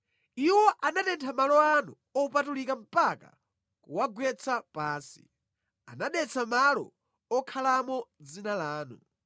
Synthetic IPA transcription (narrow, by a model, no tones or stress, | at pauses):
iwɔʔanatɛntʰamalɔanu | ɔupatulikam̩paka̰ | kuwaɡwɛt͡sʰapaːnsi̥̰ | anaɗɛt͡sʰamalɔ̰ | ɔkʰalamɔd͡zinalaːnu